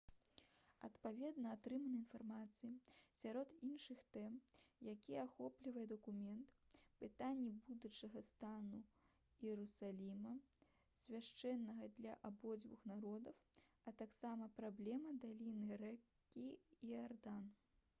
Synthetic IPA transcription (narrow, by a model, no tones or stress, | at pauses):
ɐt̪pavʲɛd̪nɐat̪ɾɨmɐnɐinfarmat̪sɨjisʲaɾɔt̪inʂɨxt̪ɛmjakʲiɛaxɔplʲivɐjɛd̪ɐkumʲɛnt̪pɨt̪anʲːɛbud̪ut͡ʂɐɣɐst̪anu | jɛɾusalʲimɐ | sʲvʲaʂt͡ʂɛnːɐɣɐd̪lʲɐʔabɔd͡zʲvuxnaɾɔd̪ɐw | ɐt̪aksamɐpɾablʲɛmɐd̪alʲinɨɾɛkʲːiːard̪an